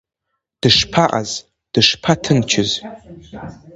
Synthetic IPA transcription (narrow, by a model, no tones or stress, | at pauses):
d̥ɨʂpʰaʔa̰z | d̥ɨʂpʰatʰɨnt͡ʃʰɪz